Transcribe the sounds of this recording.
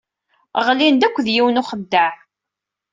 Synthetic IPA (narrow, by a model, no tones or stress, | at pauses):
ʁlind̪ækʷːðjiwnuχəd̪ːaʕ